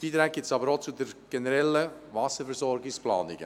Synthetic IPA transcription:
b̥iːt̪ɾɛːk̚ɡɪsɑbəɾot͡sud̪əɾɡ̥ɛnəɾɛlːəʋɑsəfɛɾsɔɾɡɪksplɑ̰ːniɡ̥ə

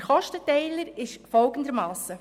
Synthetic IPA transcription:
χɔʃtət̪ɛɪləɾɪʃfɔlɡ̥ən̩dəɾmɑːsə

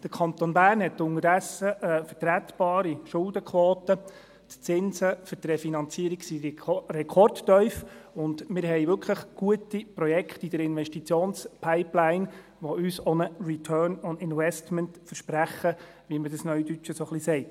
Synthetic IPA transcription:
d̥əɾkʰɑnt̪onbæːrnhɛt̪ːʊŋəɾdɛsːəfəɾtɾæt̪b̥ɑːɾiʃʊldəkʰʋoːtə | t̪t͡sɪnsəfʏɾtrɛfinɑnt͡siəɾiksirɛkʰɔrdːœʏfʊnd̪mɪɾɦɛjʋʏɾkχləχɡ̥uətipɾɔjɛkχtid̥əɾɪnʋɛʃtit͡sjoːnspʰaɪplæɪn | ʋɔʔysɔnərit̪ʰœːnɔnɪnvɛstməntfəɾʃpɾæχːə | ʋimədəsnœʏɥdyt͡ʃəsɔχlisɛɪt

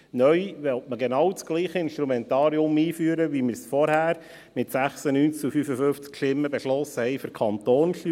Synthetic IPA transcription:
nœjʋɛltməɡenɑwt͡sɡ̥liːχəɪnʃtɾumɛnt̪ɑːɾiʊmiːfyːəɾəʋimɪɾsfɔɾhæːɾ | mɪtsæχsənyːnt͡skufyfəfʏft͡skʃɪmːəbeʃlɔsəhɛɪføɾkʰɑnt̪oːnʃy

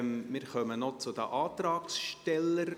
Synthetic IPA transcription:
mmɪːɾχœmənɔt͡sʊd̪ə̰ʔɑːt̪ɾɑːksʃtɛləɾ

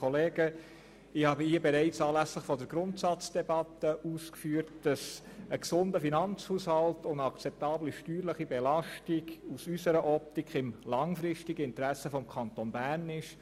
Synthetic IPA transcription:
ɔleːɡə | ɪhɑːbəhiəbɛɾɛɪt͡sɑːlæsləχfɔdəɾɡɾʊntsɑt͡sd̥ɛbɑtəʔuːskfyːəɾt̚d̥ɑs | əksʊndəfinɑnt͡shuːshɑltʊndɑkt͡sɛp̚t̪ɑːbliʃtyːɾləχibɛlɑʃtiɡusysəɾəʔɔp̚tikχɪmlɑŋfɾɪʃtiɡəɪntɾæsəfɔmkʰɑntonbæːɾnɪʃ

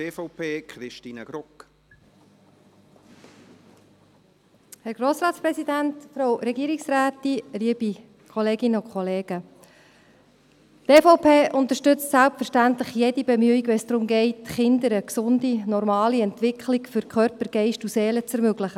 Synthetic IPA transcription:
eːfɔpʰeːkχɾɪʃtiːnəɡ̥ɾʊk | hɛɾɡɾoːsɾɑːtspɾɛsidæntfɾowɾɛɡiːɾiksræːtːiliəbi | kʰɔleːɡɪnəʊkχɔleːɡ̥ə | teːfoʊpʰeːʔʊnt̪əɾʃtʏt͡stsælp̚tfəɾʃtæntləχjɛdibɛmyiɡʋɛsd̥̪ɾʊmɡɛɪtχɪndəɾəksʊndinɔɾmɑːliɛntʋɪkχlikfʏɾkʰχœɾpəɾɡ̥ɛɪʃtuseːlət͡sɛɾmøɡlɪχə

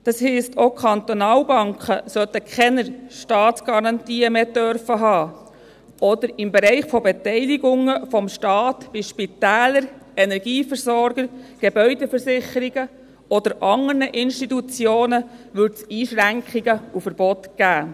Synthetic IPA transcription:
d̥ɑshiːstʰokʰɑnt̪ɔnɑːlbɑŋkχəsœt̪əkʰχɛnəɾʃtɑːtsɡ̥ɑɾɑnt̪iːəmeːt̪œɾfəɦɑː | ɔd̪əɾɪmbɛɾɛɪχfɔbet̪ɛɪliɡʊŋəfɔmʃtɑːt̪b̥ɪʃpitæːləɾ | ɛnɛɾɡ̥iːfəɾsɔɾɡ̥əɾɡ̥ebœʏdɛfəɾsɪχəɾiɡə | ɔd̪əɾʔɑŋərnəʔɪnʃtit̪ut͡sjoːnəʋʏtsiːʃɾæŋkχiɡəufəɾb̥ɔt̪ɡ̥æː

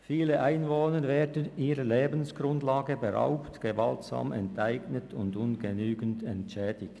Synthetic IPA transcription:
fiːləʔaɪnvoːnəɾvɛːdən̩ʔiːɾəleːbən̩sɡ̥ɾʊndlaːɡəbəɾa̰ʊptɡ̥əva̰ltsa̰ːmɛ̰ntʰaɪɡnətʰʊndʊnɡənyːɡən̩tɛntʃɛːdɪçt

